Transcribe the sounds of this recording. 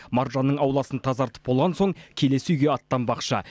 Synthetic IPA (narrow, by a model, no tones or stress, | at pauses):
mɑɾʒɑnːəɴɑwlˠɑsənt̪ʰɑzɑɾt̪ə̥p̚bo̞lˠʁɑnso̞ɴkʲʰe̞le̞sujɡʲe̞ɑt̪ːɑmbɑqʃɑ̰